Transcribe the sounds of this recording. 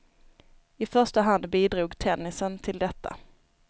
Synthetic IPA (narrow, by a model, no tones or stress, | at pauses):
ɪfœʂʈaɦand̪biːd̪ɾuːɡt̪ʰɛnːɪsənt̪ʰɪld̪ɛt̪ʰːa̰